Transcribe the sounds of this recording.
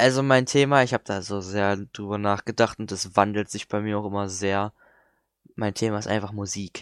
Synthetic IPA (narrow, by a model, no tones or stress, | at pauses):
ʔalzomaɪntʰeːmaɪçhaːb̚əd̥aːzoːzeːɐd̥ʁyːbɐnaːχɡ̥ədaχtʊntɛsv̥andl̩tz̥ɪçb̥aɪmiːɐaʊxʔɪmɐzeːɐ | maɪntʰeːmaɪstʔa̰ɪnfaχmuziːk